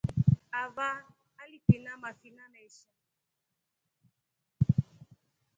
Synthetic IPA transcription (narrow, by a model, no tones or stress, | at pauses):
ava | alipinamafinanaiʃa